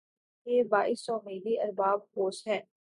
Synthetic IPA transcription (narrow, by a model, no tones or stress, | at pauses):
jeːbaːɪsɔːmiːɾiʔɐɾbaːb̚hoːsɦɛ̃ː